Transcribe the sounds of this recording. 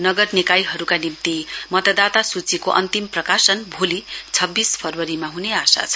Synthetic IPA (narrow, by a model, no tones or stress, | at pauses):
nʌɡʌrnikajɦʌɾukanimt̪imʌt̪ʌd̪at̪asut͡sikoʔʌ̰nt̪imprʌkasʌnbʱulit͡sʰʌbːispʰʌrwʌɾimaɦuneasa̰t͡sʰʌ̥